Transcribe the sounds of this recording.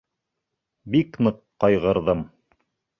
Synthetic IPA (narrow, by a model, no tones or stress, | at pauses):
biknɤqːɑjʁɤ̆ɾðɤm